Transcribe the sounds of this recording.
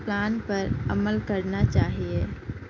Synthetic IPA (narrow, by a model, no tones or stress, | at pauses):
plaːnpɐɾɐməlkəɾnat͡ʃaːɦieː